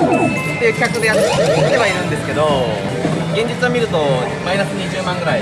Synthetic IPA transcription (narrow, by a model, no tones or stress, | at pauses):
t̪ːe̞jɯ̟ːkʲakɯ̟d̪e̞jat̪t̪ːe̞βaiɾɯ̟̃nd̪e̞sɨ̥ke̞d̪o̞ | ɡẽ̞ɲ̟d͡ʑit͡sɨβamʲiɾɯ̟t̪o̞ | mainasɨɲiʑɨːmãŋɡɯ̟ɾai